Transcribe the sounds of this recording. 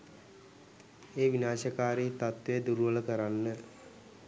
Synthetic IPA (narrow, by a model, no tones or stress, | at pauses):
eːʋinaːʃəkaːɾit̪at̪ʋeəd̪uɾuʋələkəɾanːə